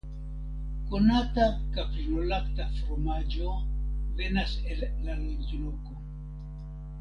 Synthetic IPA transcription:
konatakapɾnolaktafoɾmad͡ʒove̞naselːalend͡ʒoloko

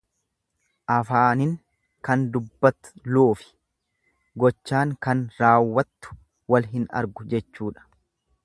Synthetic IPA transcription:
ʔɐfaːnɪŋ | kɐnd̪ʊbːɐt̪ːʊ̥loːfɪ̥ | ɡɔt͡ʃːaːŋkɐnɾaːwːɐt̪ːʊ̥ | wɐlɦɪnɐ̰ɾɡʊd͡ʒɛt͡ʃːuːᶑɐ̥

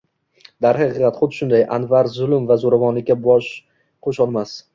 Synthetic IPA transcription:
d̪aɾhɨqɨʁɑt̪χʊd̪ɪʃʊnd̪ajʔa̰nvaɾzʊlɪmvazoɾavɒnlɪkʲːabɒʃ | qʰoʃɒlˠmas

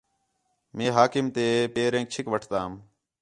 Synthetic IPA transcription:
mẽːɦaːkɪmt̪eːpeːɾẽːk̚t͡ʃʰɪkʋəʈʰt̪aːm

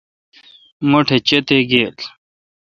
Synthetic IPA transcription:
moʈʰet͡ɕet̪eɡeːl

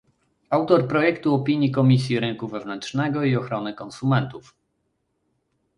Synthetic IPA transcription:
awt̪ɔɾpɾɔjɛkt̪uɔpʲiɲjikɔmʲisʲjiɾɘŋkuvɛvnɛntʂnɛɡɔiɔxɾɔnɘkɔnsumɛnt̪uf

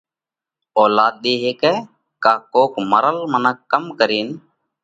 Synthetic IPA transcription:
oːlaːd̪̚ɗeːɦeːkɛː | kaːkoːkməɾəlmənəkːəmkəɾiːn

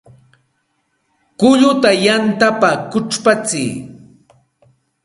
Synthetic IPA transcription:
kʊʎʊt̪ajant̪apakʊʈ͡ʂpat͡sɪː

